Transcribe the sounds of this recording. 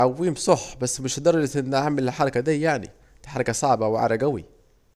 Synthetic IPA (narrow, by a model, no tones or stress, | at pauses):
awːiːmsˤoħbasːmɪʃd̪ɑɾˤɑd͡ʒɪt̪ʔɪnːʔaʕmɪllħɑɾˤɑkad̪iːjaʕnḭ | d̪ħɑɾˤɑkɑsˤɑʕbɑwʕa̰ɾˤɑɡæwḭ